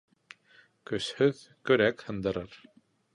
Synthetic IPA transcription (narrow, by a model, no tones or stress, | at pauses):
kʏshʏð | kœɾɛkhand̪aɾaɾ̥